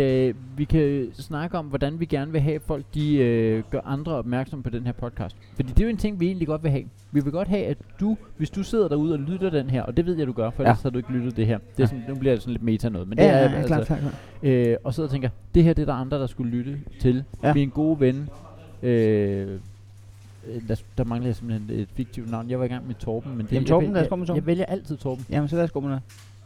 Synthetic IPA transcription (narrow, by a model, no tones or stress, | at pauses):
ʋikʰæsnɑ̈ɡ̥əɒ̽mʋɒd̥ænʋiɡ̥æɐnəʋe̝ɦɛ̰ːfɒ̽l̰ɡ̥̚d̥iøɡ̥ɶɐʔɑ̈nd̥ʁɐɒ̽b̥̚mæɐɡ̥sɒ̽mpʰɒ̽d̥enɦeɐ̰pʰɒ̽d̥̚kʰɑ̰̈ːsd̥fɒd̥ḭːd̥e̝jo̝e̝nt͡sʰe̝ŋ̰ʋie̝̰ːnliɡ̥ɒ̽d̥ʋe̝ɦɛ̰ː | ʋiʋe̝ɡ̥ɒ̽d̥ɦɛæd̥uʋe̝sd̥use̝ð̰ˠɐɾ̥ɑ̈uð̞̩ˠɒ̽lydɐd̥enɦeɐ̰ʔɒ̽d̥e̝ʋe̝ð̞̰ˠjæduɡ̥ɶɐfɒ̥ḭsɒhɑ̈due̝ɡ̥əlyɾ̥ð̩ˠd̥e̝ɦeɐ̰d̥e̝æsɔ̽nnub̥liɐde̝snled̚me̝̰ːt͡sʰænɔ̽ːð̩ˠmend̥eæɐælssə | øɒ̽seð̰ˠt͡sʰeŋɡɐd̥e̝heɐ̰d̥e̝ɐɾ̥ɑ̈ɑ̈nd̥ʁɐd̥ɑ̈sɡ̥ulyɾ̥ət͡sʰe̝lminɡ̥o̝ːʋen | ø | d̥ɑ̈d̥ɑ̈mɑ̈ŋlð̩ˠjasem̥b̥l̩hene̝d̥fiɡ̥̚t͡sʰiʊd̥nɑ̈ʊ̰njɑ̈ɪʋɑiɡ̥ɑ̈ŋmed̥t͡sʰɒːb̥m̩mend̥eɔsomʰaʋeljɐʔæl̰t͡sʰið̞̰ˠt͡sʰɒːb̥m̩sʋsɡ̥o̰m